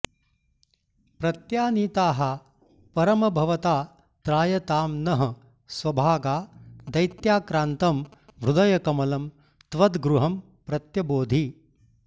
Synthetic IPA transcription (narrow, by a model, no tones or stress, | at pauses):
pɾɐt̪jaːniːt̪aːɦɐ | pɐɾɐmɐbʱɐʋɐt̪aː | t̪ɾaːjɐt̪aːmnɐɦɐ̆ | sʋɐbʱaːɡaːd̪ɐjt̪jaːkɾaːnt̪ɐmʋɾud̪ɐjɐkɐmɐlɐm | t̪ʋɐd̪ɡɾuɦɐm | pɾɐt̪jɐboːd̪ʱi